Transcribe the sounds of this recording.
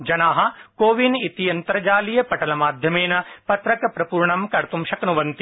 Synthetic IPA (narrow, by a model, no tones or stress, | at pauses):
d͡ʒɐnaːɦɐ̆koːʋinit̪ijɐnt̪ɐɾɐd͡ʒaːlijɐpɐʈɐlɐmaːd̪ʱjɐmeːnɐpɐt̪ɾɐkɐpɾɐpuːɾɳɐmkɐɾt̪umʃɐkɐnuʋɐnt̪i